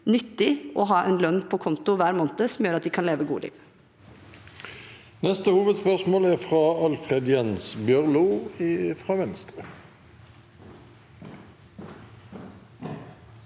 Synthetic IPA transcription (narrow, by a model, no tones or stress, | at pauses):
nʏt̪ːɪʔɔɦɑːʔɛnlœnːpʰɔkʰʊnt̪ʊʋæːɾmoːnt̪əsɔm̩jøːɾɑt̪̚d̪ɪːkʰɑnleːʋəɡṵːə̰lḭːʋ | nɛst̪əhuːʋəd̪spœʁsmoːlæʁfʁɑɑlfʁed̪jɛnsbjœʁlʊ | fʁɑːʋɛnst̪ʁə